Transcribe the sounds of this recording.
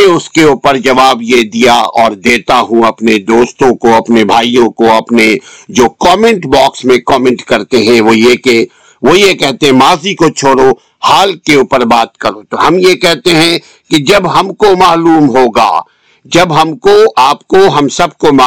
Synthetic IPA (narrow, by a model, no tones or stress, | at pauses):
eʊskeuːpəɾd͡ʒɐʋaːbjed̪ijaɔːɾd̪eːt̪aɦũɐpned̪oːst̪õkoɐpnebʱaːijõkoɐpned͡ʒoːkɔːmɛ̃ɳʈbɔːksmẽkɔːmɛ̃ɳʈkɐɾt̪eɦɛ̃ʋojeke | ʋojekɛɦt̪eɦɛ̃maːzikot͡ʃʰoːɽo | haːlkeuːpəɾbaːt̪̚kɐɾot̪oɦɐmjekɛɦt̪eɦɛ̃ | ked͡ʒɐbɦɐmkomaːluːmɦoːɡa̰ː | d͡ʒɐbɦɐmkoaːp̚koɦɐmsɐb̚komaː